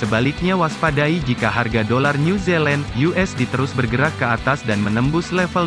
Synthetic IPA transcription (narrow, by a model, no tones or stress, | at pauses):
səbalɪk̚ɲawaspadaid͡ʒikaɦarɡadolarnuzɛlɛndjuʔɛsdit̪əɾʊsbərɡəɾakːəat̪asdanmənəmbʊslɛfəl